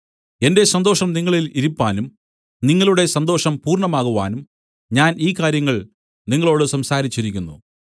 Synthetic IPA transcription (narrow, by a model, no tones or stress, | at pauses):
e̞nde̞sɐnd̪o̞ːʂɐmniŋːɐɭiliɾupːaːnum | niŋːɐɭuɽe̞sɐnd̪o̞ːʂɐmpuːrɳɐmaːɣuʋa̰ːnum | ɲaːniːkːaːɾjɐŋːɐɭ | niŋːɐɭo̞ːɽɨsɐmsaːɾit͡ɕːiɾikʲːunːu